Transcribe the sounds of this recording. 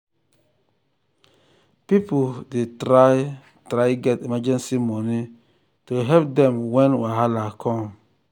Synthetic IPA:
pipodetɾaɪ | tɾaɪɡɛtimad͡ʒɛ̃nsimɔni | tuɦɛpdɛ̃mwɛ̃nwiaɦalakʰɔ̃m

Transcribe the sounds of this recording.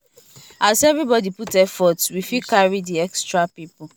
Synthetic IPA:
asɛvɹibɔdiputɛfɔtswifikaɹidiɛkstɹapipʊ

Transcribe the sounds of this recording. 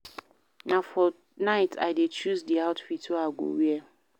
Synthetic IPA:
nafɔ | naɪtʰa̰ɪdet͡ʃuzdiaʊtfitʰoaɡʷo̰wiɛ

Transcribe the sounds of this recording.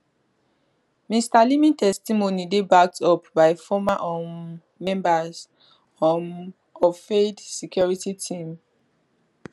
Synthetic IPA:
mistalimĩntɛstimonidebak̚tʰɔpbaɪfɔmaʔɔmː | ɛ̃mbaz | ɔm | ɔvfedsɛkjɔɹititʰĩm

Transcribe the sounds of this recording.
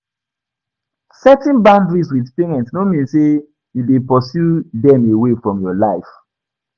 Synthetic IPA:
sɛtĩnbãndɹiswidpeɹɛ̃ntnomĩnse | judepɔsjudɛ̃mewefɹɔ̃mjɔlaɪf

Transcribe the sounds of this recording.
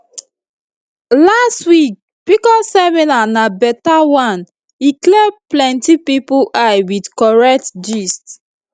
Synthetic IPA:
lastwik̚ | pikɔsɛminanabɛtawãn | iklɛplɛ̃ntipipuajwidkɔɹɛk̚td͡ʒist

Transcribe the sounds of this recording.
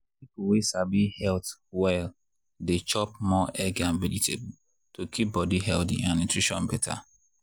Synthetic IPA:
pipuwesabihɛltwɛl | det͡ʃɔp̚mɔʔɛɡãnvɛditʰḛb | tokʰip̚bɔdiɦɛldḭãnĩntɹiʃɔ̃nbɛtʰa̰

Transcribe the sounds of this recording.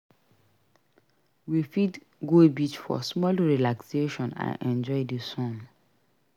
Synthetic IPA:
wifit | ɡoebitfɔ̰smɔlɹilakseʃɔ̃nã̰nʔɛ̃nd͡ʒɔɪdesɔ̃ŋ

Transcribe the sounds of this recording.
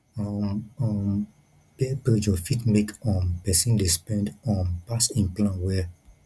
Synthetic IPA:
ɔmɔm | pɛpɾed͡ʒɔfitmekɔ̃npɛsĩndespɛ̃ndɔ̃npasĩnplãnwɛ

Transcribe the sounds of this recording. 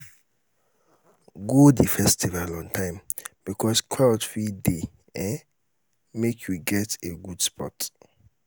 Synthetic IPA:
ɡodifɛstʰivalɔ̃ntʰãɪ̃mb̥ikʰɔskʰatfide | ɛ̃ | mekʰjuɡɛteɡud̥spʰɔ̰t

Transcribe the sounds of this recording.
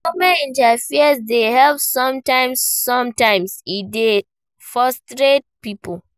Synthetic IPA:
ɔmɛ̃nĩntafiasdehɛlpsɔ̃mtãɪ̃msːɔ̃mtãɪ̃mside | fɹɔstɾet̚pipo

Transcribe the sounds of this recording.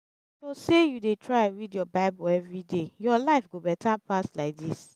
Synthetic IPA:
sosejudetʰɹaɪãnɹidjɔbaɪbɔɛvɹidejɔlaɪfɡobɛtʰapaslaɪk̚dis

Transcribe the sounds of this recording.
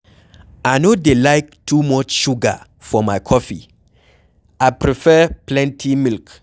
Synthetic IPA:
aɪnodelaɪk̚tʰumɔt͡ʃʃuɡa̰ | fɔmaɪkʰɔfi | aɪpɹifɛplɛ̃ntʰimilk

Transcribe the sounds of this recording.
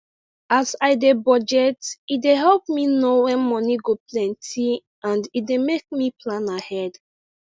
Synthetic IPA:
asaɪdebɔd͡ʒɛtideɦɛlpminowɛ̃nmɔ̃niɡoplɛ̃ntʰi | ʔãndit̚demek̚miplãnahɛd

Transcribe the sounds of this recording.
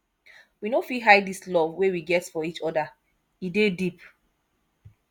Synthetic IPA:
winofiɦaɪdislɔvwewiɡɛtsfɔit͡ʃɔda | idedip

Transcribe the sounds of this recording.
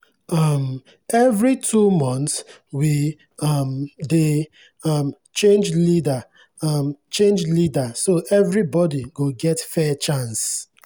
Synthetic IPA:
ʌm | ɛvɹitʰumɔ̃nts | wi | ʌmde | ʌm | t͡ʃẽnd͡ʒlida | ʌmt͡ʃẽnd͡ʒlidasoʔɛvɹibɔdiɡoɡɛtfɛt͡ʃãns

